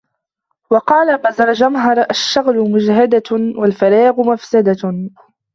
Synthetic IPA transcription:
wɑqɑːlamazɑɾˤd͡ʒamɦɑɾˤʔaʃːaɣlʊmʊd͡ʒɦad̪awalfaɾɑːɣʊmafsad̪a

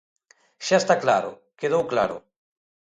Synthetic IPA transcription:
ʃaest̪aklaɾʊ̰ | keðowkla̰ɾʊ̰

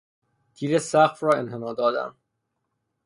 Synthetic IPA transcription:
t̪ʰiːɾesæɣfɾɒːenɦenɒːd̪ɒːd̪æ̰m

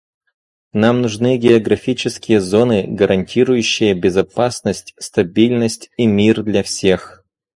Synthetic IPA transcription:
namnʊʐnɨɡʲɪɐɡɾɐfʲit͡ɕɪskʲɪjəzo̞nɨɡəɾʔɐnʲtʲiɾʊjʉɕːɪjəbʲɪzɐpasnəsʲtʲst̪ɐbʲilʲnəsʲtʲimʲird̪lʲafsʲex

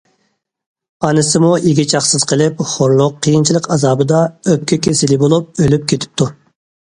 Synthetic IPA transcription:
ɑnɨsɨmuiɡʲit͡ʃʰɑχsɨz̥qʰəlˠɪpχoɾlˠʊqʰːəjint͡ʃʰilˠəqɑzɑːbɨd̪ɑøp̚kʲʰɛkʲʰesɪlɪbolˠup̚ølyp̚kʲʰet̪ʰɪ̥p̚t̪ʰu

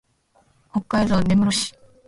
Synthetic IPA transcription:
hokːaizoːne̞mɯɾoɕi̥

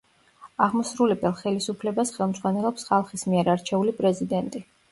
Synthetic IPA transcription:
aʁmɔsɾulɛbɛlˠχɛlisupʰlɛbasχɛlˠmd̪z̥ʁwanɛlˠɔpsχalˠχismiɛɾaɾt͡ʃʰɛulipʼɾɛzid̪ɛnt̪ʼi

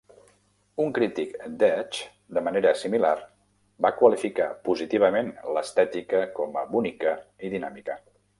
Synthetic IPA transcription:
uŋkɾit̪ikd̪ɛt͡ʃ | d̪əməneɾəsimilar | bakwəlifikapuzit̪iβ̞əmenləst̪ɛt̪ikəkɔməβunikəiðinamikə

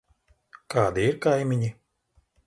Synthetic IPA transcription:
kaːd̪iiɾkajmʲiɲi

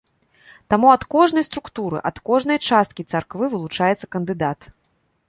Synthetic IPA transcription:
t̪amuɐt̪kɔʐnɐjst̪ɾukt̪uɾɨ̰ʔɐt̪kɔʐnɐjt͡ʂast̪̚kʲit̪sarkvɨvɨlˠut͡ʂajɛt̪sɐkɐnd̪ɨd̪at̪

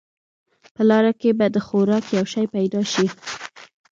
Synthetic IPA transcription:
pəlɑɾakebad̪əxoɾɑkjawʃɑjpajd̪ɑʃi

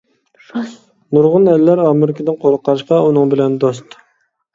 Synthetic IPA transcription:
nuɾʁʊnɛlːæɾɑːmɪɾɪkʲʰɪd̪ɪnqʰoɾəqʰːɑɾɨʃqɑunɨŋbɪlɛnd̪ost̪

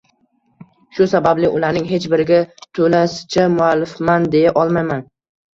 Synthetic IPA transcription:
ʃʊsabablɪʔʊlaɾnɪŋɦe̞t͡ʃbɪɾɪɡʲat̪ʰolasɪ̥t͡ʃʰamʊalːɪfmand̪e̞jaʔɒlˠmajman

